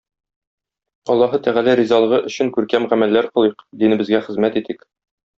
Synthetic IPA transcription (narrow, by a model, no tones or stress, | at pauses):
ɒlˠːɑɦɤt̪æʁælæɾizɑlˠɤ̆ʁɤʔɵ̆ɕɘŋkʉɾkæmʁæmælːæɾqɤ̆lˠɤqd̪inɘ̆bɘ̆zɡæχɘ̆zmæt̪it̪ik